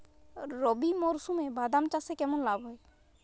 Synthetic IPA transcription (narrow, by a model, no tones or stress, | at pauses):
ɾɔbimɔɾsumebad̪amt͡ʃasekɛmɔnlaːbɦɔe